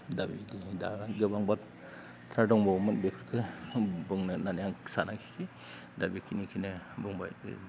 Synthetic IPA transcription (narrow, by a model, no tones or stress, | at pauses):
dabḭdiida̰ɡɯbaŋbat | tʰadɔŋbɔwmɯnbepʰɾkʰɯbɯŋnɯnanjaŋsanakʰi̥si | dabikʰinikʰinɯbɯŋba̰jɯ̰